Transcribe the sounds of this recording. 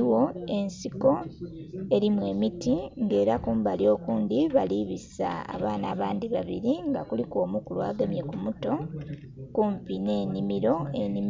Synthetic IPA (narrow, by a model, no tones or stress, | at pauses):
wo̞e̞nsiko̞ | e̞ɾimwe̞ːmitiŋɡe̞ːɾakuːmbaljo̞ːkuːndiβaliβisa̰ːβaːnaːβaːndiβaβiɾiŋɡakuliko̞ːmukulua̰ːɡamje̞kumuto̞ | kuɱpine̞ːnimiɾo̞enim